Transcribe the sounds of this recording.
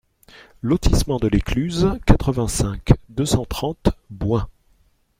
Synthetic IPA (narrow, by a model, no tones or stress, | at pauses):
lɔt̪ismɑ̃d̪əleklyzkat̪χəvɛ̃sɛ̃kd̪øsɑ̃t̪χɑ̃t̪bwɛ̃